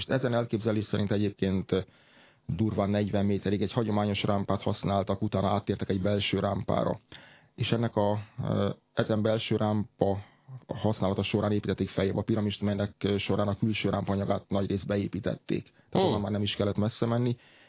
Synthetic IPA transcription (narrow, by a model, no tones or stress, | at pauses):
ʃt̪ɛzɛnɛlkeːbzɛleːʃsɛɾint̪ɛɟeːp̚keːnt̪ | d̪uːrvaːnːɛɟʋɛmːeːt̪ɛɾiɡɛchɒɟo̞maːɲo̞ʃrʔaːmpaːt̪hɒ̰snaːlt̪ɒkut̪aːnɒaːt̪ːeːrt̪ɛkɛɟbɛlʃøːɾaːmpa̰ːɾɒ̰ | eːʃɛnːɛkɒ | ɛzɛmbɛlʃøːɾʔaːmpɒ | hɒsnaːlɒt̪ɒʃo̞ɾʔaːneːpit̪ɛt̪ːekfɛjɛbɒpiɾɒmiʃt̪mɛjnɛkʃo̞ɾʔaːnɒkylʃøːɾʔaːmpɒɒɲɒɡaːt̪nɒɟreːzd̪̚bɛeːpiːt̪ɛ̰t̪ːḛːkt̪a̰ːt̪oanmaːrnɛmiʃkɛlːɛt̪mɛsːɛmɛnːi